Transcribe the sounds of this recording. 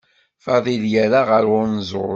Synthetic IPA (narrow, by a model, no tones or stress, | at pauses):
fɑðˤiljæɾaʁəɾʊɾnzˤʊ